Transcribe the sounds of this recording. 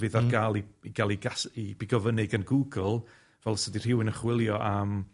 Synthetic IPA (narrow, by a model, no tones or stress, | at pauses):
vɨðarɡaːlˠiiɡ̥alˠiɡasib̥ɪɡɔvənɪɡənɡuːɡəl̩ˠ | vɛlˠsədir̥ɪwɪnəχwɪlˠjɔʔam